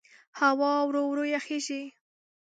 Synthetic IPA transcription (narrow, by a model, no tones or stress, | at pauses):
hawɑwɾowɾojaxeʒi